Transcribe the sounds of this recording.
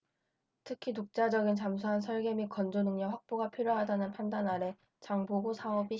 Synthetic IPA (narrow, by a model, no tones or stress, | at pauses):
tʰɯkʰitok̚t͡ɕ͈ad͡ʑʌɡint͡ɕamsʰuɦansʰʌɭɡemikʌnd͡ʑonɯŋɲʌɸwak̚p͈oɡapʰjoɾjoɦadanɯnpʰandanaɾe̞ | t͡ɕaŋboɡosʰaʌbi